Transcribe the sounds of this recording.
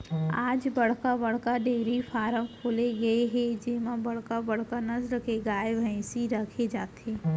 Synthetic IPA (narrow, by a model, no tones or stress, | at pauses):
aːd͡ʒbɐɽ̤kabɐɽ̤kaɖeːɾifaːɾəmkʰoːleɡɐeɦɛ̃d͡ʒɪɦmãbɐɽ̤kabɐɽ̤kanɐzɾkeɡaːjeʋʱəẽsiɾɐkʰed͡ʒaːt̪eː